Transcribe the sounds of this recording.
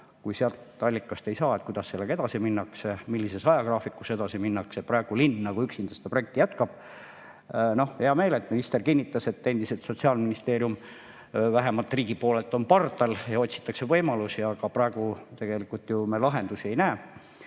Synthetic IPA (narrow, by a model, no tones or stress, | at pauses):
kujseɑlt̪ːɑlʲːikːˑɑst̪e̞jsɑːe̞t̪̚kujd̪̥ɑsːelːekɑed̪ɑsiminːɑksemilːisesɑjɑkrɑːfikːˑuse̞d̪ɑsiminːɑkseprɑeɡ̥ulinːnɑkuyksind̪est̪ɑproek̚t̪ːijæt̪kɑb̥ | no̞hheɑme̞ːlet̪ːminist̪e̞rkinːit̪ːˑɑse̞t̪ːe̞nd̪̥iselt̪so̞t̪siɑːlminist̪e̞ːɾjum | væɦemɑlt̪ːˑriːɡ̥ipo̞ːlelt̪ːˑo̞npɑrt̪ːˑɑljɑo̞t̪ʲsi̥t̪ːˑɑkse̞vɤjmɑlusiɑɡɑprɑeɡ̥ut̪e̞ɡ̥e̞likːˑult̪jumelɑɦe̞nd̪usie̞jnæː